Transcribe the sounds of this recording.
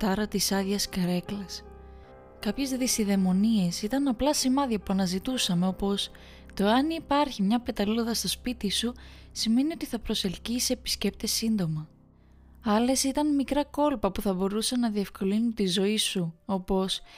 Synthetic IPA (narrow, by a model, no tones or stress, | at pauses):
t̪ɐɾɐt̪isɐðʝɐskɐɾe̞klɐs | kɐpçe̞zðisiðe̞mo̞nie̞sit̪ɐnɐplɐsimɐðiɐpuɐnɐzit̪usɐme̞o̞po̞s | t̪o̞eɐnipɐɾçimɲɐpe̞t̪ɐlilo̞ðɐst̪o̞spit̪isusime̞nio̞t̪iθɐpɾo̞se̞lciseepi̥sce̞p̚t̪e̞sind̪o̞mɐ | ɐle̞sit̪ɐnmikɾɐko̞lpɐpuθɐbo̞ɾusenɐðie̞fko̞linunt̪izo̞isuo̞po̞s